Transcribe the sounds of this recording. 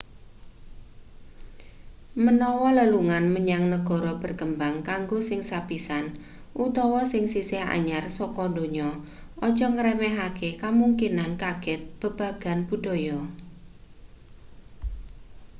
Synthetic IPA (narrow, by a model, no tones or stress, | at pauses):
mənɔwɔləluŋanməɲaŋnəɡ̥ɔ̤ɾɔb̥ə̤rkəmbaŋkaŋɡosɪŋsapisan | ʔut̪ɔwɔsɪŋsisɪha̰ɲarsɔkɔndo̤ɲɔ | ɔd̥d͡ʒɔ̤ŋəɾemɛɦakekəmuŋkinankaɡ̥ɛt̪̚b̥ə̤b̥ä̤ɡ̥a̤nb̥ṳd̥ɔ̤jɔ